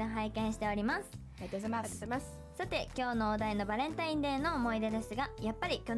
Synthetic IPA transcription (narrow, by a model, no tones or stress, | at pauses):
eɦaikẽ̞ɰ̃ɕi̥t̪e̞o̞ɾʲimasɨ̥ | s | sat̪e̞kʲo̞ːno̞ːd̪aino̞baɾẽ̞nt̪aĩnd̪ẽ̞ːnːo̞ːmo̞id̪e̞d̪e̞sɨɡajapːaɾʲikʲo